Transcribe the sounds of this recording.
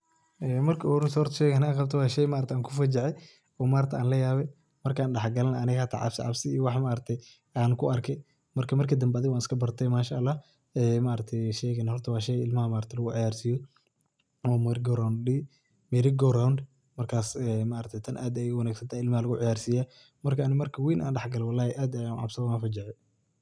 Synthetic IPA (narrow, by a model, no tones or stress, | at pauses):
ʔɛːmɐrkʰɐɾsɔrt̪ʃɛːɣnaqɑb̚t̪ʰɐwɑːʃɛjmaːɾt̪ɛʔaːŋkʰʊfɐd͡ʒɛʕɛ | ɔːmaːɾɐt̪ʰɛ̰ʔaːnlɐjaːβɛ | mɐrkʰaːnɖɐħɡɐlɐnɐːnɪɣhat̪ʰa̰ʕɑ̰bsɪ̰ʕɑ̰bsɪːwɑħmaːɾɐt̪ʰɛ | aːnkʰʊʔɐrkʰɛ | mɐrkʰɐmɐrkʰid̪ɐmbɛɐðɪɣɔaːnɪskʰɐbɐrt̪ʰɛmaːʃaʔlːaː | ɛːmaːɾɐt̪ʰɛjʃɛːɣɛnahɔrt̪ʰɐwɑːʃɛɣɪlmɐhɐmaːɾɐt̪ʰɛlɐɣʊʕɪjaːrsijɔ | ɔːmɛɾɡɔɾawndi | mɛɾɪɡɔɾawnd | mɐrkʰaːsɛːmaːɾɐt̪ʰɛt̪ʰɐnʔaːd̪ɛjʊwɐnaːɡsɐnt̪ʰaːɪlmɐhɐlɐɣʊʕɪjaːrsiːjaː | mɐrkʰɐːnɪmɐrkʰɐwiːnʔa̰ːnɖɑħɡɐlɛwɑlːaːhɪʔaːd̪ɛjanʕɑ̰bsɐaːnfɐd͡ʒɪʕɛ